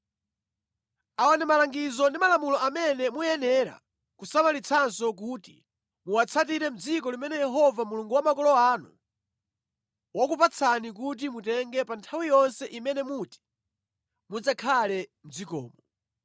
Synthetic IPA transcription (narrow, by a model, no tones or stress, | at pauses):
awanɛmalaŋɡizɔndimalamulɔʔamɛnɛmujɛnɛɾa̰ | kusamalit͡sʰansɔk̬uti̥̰ | muwat͡sʰatiɾɛm̩d͡zikɔlimɛnɛjɛɦɔvamuluŋɡuwamakɔlɔaːnṵ | wakupat͡sʰanik̬ut̬imutɛŋɡɛpantʰawijɔnsɛʔimɛnɛmuti̥ | mud͡zakʰalɛm̩d͡zikɔ̰ːmɔ